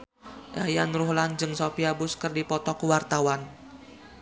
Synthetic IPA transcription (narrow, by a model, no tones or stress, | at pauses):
ʔajanruhland͡ʒɨŋsopiabʊskərdipɔt̪ɔkuwart̪awan